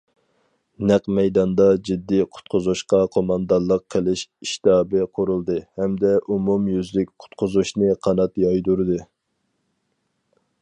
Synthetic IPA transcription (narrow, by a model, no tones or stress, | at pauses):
næqmɛjd̪ɑnd̪ɑd͡ʒid̪ːiqʰʊ̥t̪̚qʰʊzuʃqɑqʰomɑnd̪ɑnlˠəqʰːəlɪʃiʃt̪ɑːbɨqʰʊɾulˠd̪ɨhɛmd̪ɛʔumumjyzlɪk̚ʲqʰʊ̥t̪qʰʊzuʃnɨqʰɑnɑt̪jɑjd̪uɾɨd̪ɨ